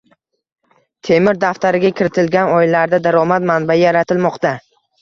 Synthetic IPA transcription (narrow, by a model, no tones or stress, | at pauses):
t̪ʰe̞mɪɾd̪aft̪aɾɪɡʲakʲʰɪɾɪt̪ʰɪlɡʲanɒɪlaɾd̪ad̪aɾɒmat̪manbaɪjaɾat̪ʰɪlmɒqt̪a